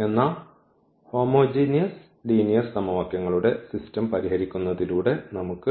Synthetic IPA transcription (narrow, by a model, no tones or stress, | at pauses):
e̞nːaːɭ | ho̞ːmo̞ːd͡ʑiːnijɐs | ɖiːnijɐrssɐmɐʋɐkjɐŋːɐɭuɽe̞sistɐmpɐɾiɦɐɾikʲːunːɐðiluːɽe̞nɐmukːɨ